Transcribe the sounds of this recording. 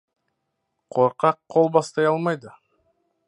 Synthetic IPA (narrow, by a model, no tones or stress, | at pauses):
qʰoɾqɑqʰːolˠbɑst̪ɑjɑlˠmɑjd̪ɯ